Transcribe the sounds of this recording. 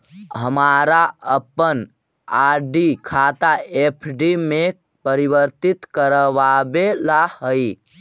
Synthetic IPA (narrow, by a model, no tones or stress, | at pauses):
ɦəmaːɾaəpːən | aːɾɖikʰaːt̪aepʰɖime | pəɾibəɾt̪it̪kəɾəʋabelahəi